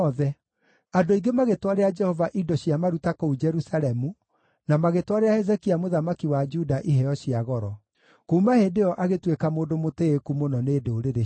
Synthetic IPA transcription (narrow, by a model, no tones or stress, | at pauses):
ɔðɛ | adoiɡemaɣetwaɾead͡ʒɛhɔvaʔidɔɕiamaɾutakoud͡ʒɛɾusaɾɛmu | namaɣetwaɾeahɛzɛkiamoðamakiwad͡ʒudaʔiɦɛjɔɕiaɣɔɾɔ | komahedeɔʔaɣetwekamoːdomoteekumonɔneːdeoɾeɾe